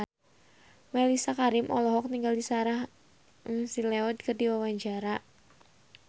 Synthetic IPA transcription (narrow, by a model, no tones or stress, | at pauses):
malisakaɾɪmʔɔlɔɦɔk̚niŋɡaldisaɾah | ŋsileɔd̪kərdiwawaɲd͡ʒaɾa